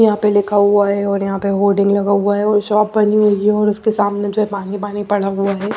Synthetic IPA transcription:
jɐɦãpeleːkʰaɦuaɦɛɔːɾjɐɦãpeɦoːɾɖɪ̃ŋɡlɐɡaɦuaɦɛɔːɾʃɔːp̚bɐniɦoiɦɛɔːɾʊskesaːmned͡ʒoːɦɛpaːnipaːnipɐɽ̤aɦuaɦɛː

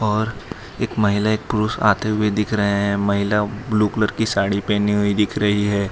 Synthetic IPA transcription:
ɔːɾ | eːkmɐɦɪlaeːk̚pʊɾusa̰ːt̪eɦʊed̪ɪkʰɾɐɦeɦɛ̃mɐɦɪlabluːkləɾkisaːɽipeniɦʊid̪ɪkʰɾɐɦiɦɛː

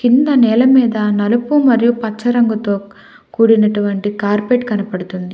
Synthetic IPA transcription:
kind̪ɐnɛːlɐmiːd̪ɐnɐlupumɐɾijupɐt͡ʃːɐɾɐŋɡut̪o̞ː | kuːɽinɐʈuʋɐɳʈikaːɾpeʈkɐnɐpɐɽut̪und̪i

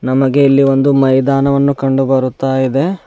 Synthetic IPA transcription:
nɐmɐɡe̞ilːiʋo̞nd̪umɐjd̪aːnɐʋɐnːukɐɳɖubɐɾut̪ːaːjid̪e̞

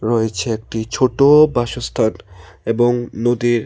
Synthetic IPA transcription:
ɾoet͡ɕʰeek̚ʈit͡ɕʰoʈobaʃost̪ʰaneboŋnod̪iɾ

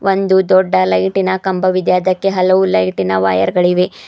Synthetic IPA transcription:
ʔond̪ud̪ɔɖːɐlɐjʈinɐkɐmbɐʋid̪jaːd̪ɐkːe̞ɦɐlɐʋulɐjʈinɐʋa̰ːjɐ̰ɾɡɐɭiʋe

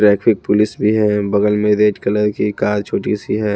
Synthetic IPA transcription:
ʈɾɛːkfʰɪk̚pʊlɪsbʱiɦɛ̃ːbɐɡəlmẽɾeːʈkələɾkikaːɾt͡ʃʰoːʈisiɦɛː

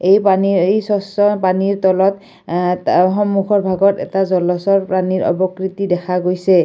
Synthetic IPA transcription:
ejpaniejsɔsɔpaniɹt̪ɔlɔt | xɔmːukʰɔɹbʱaɡɔtɛ̰tazɔlɔsɔɹpɹaniɹɔ̰bɔkɹit̪idɛxʰaɡojsɛ

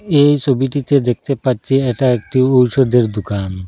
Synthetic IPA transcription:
ejt͡ɕʰobiʈit̪ed̪ek̚t̪epatːɕʰiɛʈaek̚ʈiowʃod̪eɾd̪okan

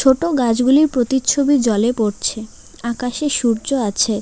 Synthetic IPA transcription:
t͡ɕʰoʈoɡad͡ʑɡuliɾpɾot̪it͡ɕʰobid͡ʑɔlepoɾt͡ɕʰe | akaʃeʃuɾd͡ʑoat͡ɕʰe

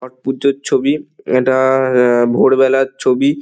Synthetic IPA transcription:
ɔʈ̚pud͡ʑot͡ɕʰobieʈabʱoɽbɛlaɾt͡ɕʰobi

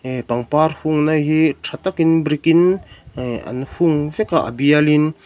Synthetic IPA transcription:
paŋpaɾhuŋnaɦitʰat̪akinbɾikin | a̰nhuŋvɛkaʔa̰bijalin

